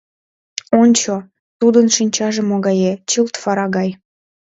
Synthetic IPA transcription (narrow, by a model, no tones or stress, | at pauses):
onʲt͡ɕo | t̪ud̪ənʃinʲt͡ɕɑʒemoɣɑjet͡ɕəlt̪fɑɾɑɣɑj